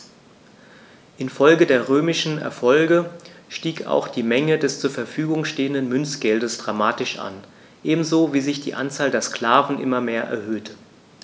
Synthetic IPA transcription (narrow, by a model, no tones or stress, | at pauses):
ʔɪnfɔlɡədeːɐʁøːmɪʃn̩ɛ̰ɐfɔlɡəʃtiːka̰ʊxd̥iːmɛŋədɛst͡suːɐfɛɐfyːɡʊŋʃteːəndənmʏnsɡ̥ɛldəsd̥ʁamaːtɪʃʔa̰n | ʔeːbm̩zoːviːzɪçd̥ḭːʔa̰nt͡saːldeːɐskl̥aːvn̩ʔɪ̰mɐmeːɐʔɛ̰ɐhøːtʰə